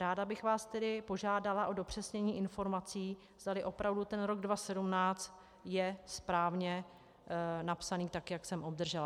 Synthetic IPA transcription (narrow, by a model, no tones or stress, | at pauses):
ɾaːdabɪxvaːst̪ɛdɪpo̞ʒaːdalaʔo̞do̞pr̝̥ɛsɲɛɲiːʔɪnfo̞ɾmat͡siː | vzd̪alɪʔo̞pɾavdut̪ɛnɾo̞ɡdvasɛdumnaːt͡st̪ | jɛspɾaːvɲɛ | napsaniːt̪akjaksɛmʔob̚d̪r̩ʒɛla